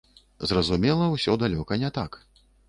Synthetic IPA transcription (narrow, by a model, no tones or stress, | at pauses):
zrɐzumʲɛlˠɐwsʲɔd̪alʲɔkɐnʲɛt̪ak